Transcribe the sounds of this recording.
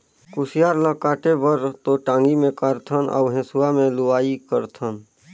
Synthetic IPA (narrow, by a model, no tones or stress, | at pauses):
kʊsijaːɾləkaːʈebəɾt̪oʈãːŋɡimẽkəɾt̪ʰənʔɔ̰ːɦẽːsuamẽlʊaːikəɾt̪ʰən